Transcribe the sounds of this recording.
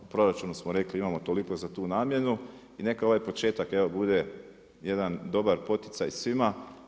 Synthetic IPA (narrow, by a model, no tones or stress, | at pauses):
upɾo̞ɾat͡ʃuːnusmoɾe̞kliimamo̞t̪o̞liko̞zat̪uːnaːmje̞nu | ine̞kao̞ʋajpo̞t͡ʃe̞ːt̪ake̞ʋo̞bud̪e̞ | je̞d̪and̪o̞baɾpo̞t̪it̪sajsʋima